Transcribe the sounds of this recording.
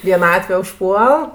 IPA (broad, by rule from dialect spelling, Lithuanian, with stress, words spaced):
ʋʲiɛˈnɑːtʲʋʲɛ ʊʃˈpuɔlˠ